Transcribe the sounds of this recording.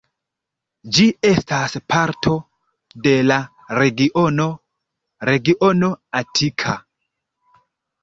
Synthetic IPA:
d͡ʒie̞staspʰaɾtʰo̞ | de̞la | ɾeɡiʔono | ɾe̞ɡiʔo̞no̞atʰikʰa

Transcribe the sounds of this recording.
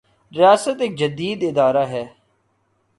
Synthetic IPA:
ɾɪjaːsət̪ɪk̚d͡ʒəd̪iːd̪ɪd̪aːɾaːɦɛː

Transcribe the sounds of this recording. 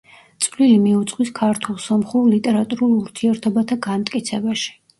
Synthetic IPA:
t̪sʼlilimiut̪sʼqʼwiskʰaɾt̪ʰulˠsamχulit̪ʼɛɾat̪ʼuɾulˠuɾt̪ʰiɛɾt̪ʰɔbat̪ʰaɡanmt̪ʼkʼit̪sʰɛbaʃi̥

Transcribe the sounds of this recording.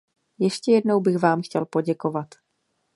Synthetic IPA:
jɛʃcɛjɛdno̞wbɪxvaːmxcɛlpo̞ɟɛko̞vat̪

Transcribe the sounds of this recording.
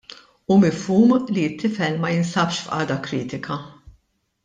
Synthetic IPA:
umɪfuːmliɪt̪ʰːɪfɛlmɐjɪnsɐpʃfʔɐ̰ːd̪ɐkɾiːt̪ɪkʰɐ

